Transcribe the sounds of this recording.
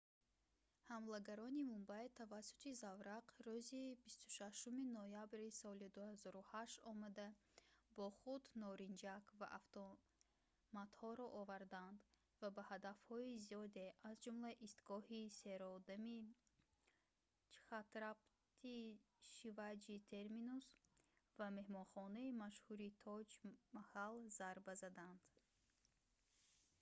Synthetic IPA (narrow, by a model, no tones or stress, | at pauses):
hamlaɡaɾɔnimumbajt̪ʰavasːu̥t̪ʰizavɾaqɾuzibist̪u̥ʃaʃuminojabɾisɔlid̪uhazɔɾuhaʃt̪ɔmad̪abɔχud̪nɔɾind͡ʒakva̰ʔaft̪ɔ | mat̪hɔɾɔʔːvaɾd̪and̪ | vabahad̪afhɔizijɔd̪e̞ʔazd͡ʒumlaʔist̪ɡɔhiseɾɔd̪ami | t͡ʃʰi̥χat̪ɾapt̪ʰi | ʃivad͡ʒit̪ʰe̞ɾminusvame̞hmɔnχɔnaimaʃhuɾit̪ʰɔd͡ʒmahalzaɾbazad̪and̪̥